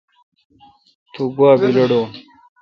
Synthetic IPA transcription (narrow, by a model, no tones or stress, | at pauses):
t̪ʰuɡwaːbilɐɽo